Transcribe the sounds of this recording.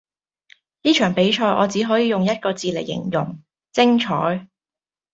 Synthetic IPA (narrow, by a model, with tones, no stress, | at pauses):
niː˥t͡ʃʰœː˨˩ŋpe˨˥jt͡ʃʰɔː˧jʔɔː˨˧t͡siː˨˥ɦɔː˨˥jiː˨˧jʊ˨ŋjɐ˥t̚kɔː˧t͡siː˨le˨˩jːɪ̰˨˩ŋjʊ˨˩ŋ | t͡sɪ˥ŋt͡ʃʰɔː˨˥j